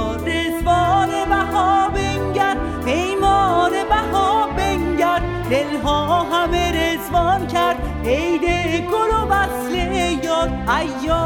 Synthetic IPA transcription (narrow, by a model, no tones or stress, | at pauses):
ɾezvɒːnebæɦɒbeŋɟæɾd̪ | pʰejmɒːnebæhɒːbeŋɡæɾd̪ | d̪elɦɒːɦæmeɾezvɒːncʰæɾd̪̥ | ejd̪ekʰolobæsleejɒːd̪æjːɔː